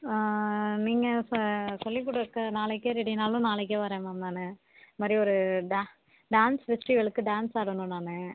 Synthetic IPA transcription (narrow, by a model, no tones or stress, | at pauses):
niːŋɡɐssɔlːik̬ːuːɽɐɾɯkːɐnaːɭɛkːeɾɛɽinaːlʊ̃naːɭɛk̬ːeʋɐɾẽːmamnaːnɯ | ɐmaːd̪ɾiɔɾɯɖa | ɖaːnsʋɪsʈɾiʋɛɭɯkːɯɖaːnsaːɽɯnɯ̃naːnɯ